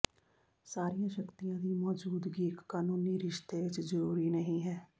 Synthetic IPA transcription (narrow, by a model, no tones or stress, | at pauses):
saːɾijãːʃəkt̪ijãːd̪iːmɔːd͡ʒuːd̪ɡiːɪkːaːnuːniːɾɪʃt̪eːʋɪt͡ʃzəɾuːɾiːnəɦĩːɦɛː